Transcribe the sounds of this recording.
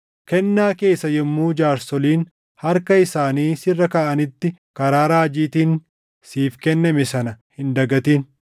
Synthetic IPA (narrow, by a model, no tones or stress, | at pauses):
kɛnːaːke̞ːsːɐjɛmːuːd͡ʒaːɾsɔliːn | hɐɾkɐɪsaːniːsɪrːɐkaːʔɐnɪt̪ːɪkɐɾaːɾaːd͡ʒiːt̪iːn | siːfkɛnːɐmɛsɐnɐhɪnd̪ɐɡɐt̪iːn